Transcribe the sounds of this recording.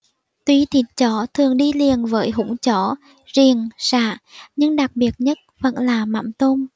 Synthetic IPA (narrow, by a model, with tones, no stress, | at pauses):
t̪wi˨˧˦t̪ʰi˨˩t̚t͡ɕɔ˧˦t̪ʰɨ˨˩əŋɗi˧li˨˩ənvəː˨˦jɦʊ̰˧˥ŋ͡mt͡ɕɔ˧˦ | zi˨˩ənsa̰ː˧˩˨ɲɨ˧ŋɗa˨˩k̚ɓi˨˩ət̚ɲə˦˥t̚və̰˧˥nlaː˨˩ma̰˧˩˥mt̪o˧n